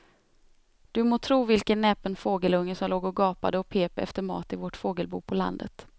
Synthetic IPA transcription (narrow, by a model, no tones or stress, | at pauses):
d̪̥ɵmoːt̪ʰɾuːvɪlkənːɛːpənfoːɡəlɵŋːəsɔmloːɡɔɡɑːpa̰d̪əɔpʰeːpɛ̰ft̪əɾmɑ̰ːt̪ɪvɔʈfoːɡəlbṵːpʰɔla̰nd̪ə̰t̪